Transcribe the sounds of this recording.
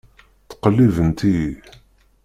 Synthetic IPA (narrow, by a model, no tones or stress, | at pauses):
θqəlːivənt̪i